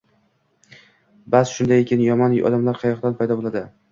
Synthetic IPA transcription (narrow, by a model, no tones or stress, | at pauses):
basʃʊnd̪ajekʲɪnjɒmɒnɒ̰d̪amlaɾqʰɑjɒqd̪anpʰajd̪ɒbolˠad̪ɪ